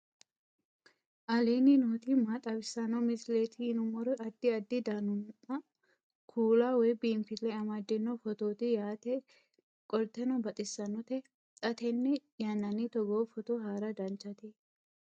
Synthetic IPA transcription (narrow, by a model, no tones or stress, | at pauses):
ʔɐleːnɪnoːt̪ɪmat̪ʼɐbɪsːɐnɔmɪsleːt̪ʰɪːnʊmɔɾʊʔɐd̪ːɪɐd̪ːɪd̪ɐnʊmɐ | kʰuːlaːwɔjbiːmfɪlɛɐmɐd̪ːɪnːɔfɔt̪oːt̪ɪjaːt̪ɛ | kʼɔlt̪ːɛnɔbɐt̪ʼɪsːɐnɔt̪ɛ | t̪ʼɐt̪ɛnːɛjanːɐnɪt̪ɔɡoːfɔt̪ɔɦaːɾɐd̪ɐnt͡ʃːɐt̪ɪ